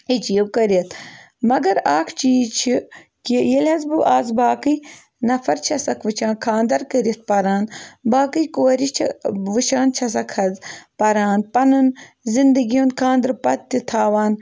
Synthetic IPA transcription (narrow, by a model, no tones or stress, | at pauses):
et͡ʃijwkɐɾiɐt̪ʰ | mɐɡɐɾaːkʰt͡ʃiːzt͡ʃʰikijelʲɐzbɨʔaːzbaːkɨj | nɐfʰɐɾt͡ʃʰɐsɐkʰʋɨt͡ʃʰãːnkʰaːnd̪ɐɾkɐɾit̪̚pɐɾaːnbaːkɨjkoːɾit͡ʃʰɐ̰ʋɨʃaːnt͡ʃʰɐsɐkʰɐzpɐɾaːnpɐnun | zind̪ɐɡijoːnkʰaːnd̪ɐɾpɐt̪ːit̪ʰaːʋaːn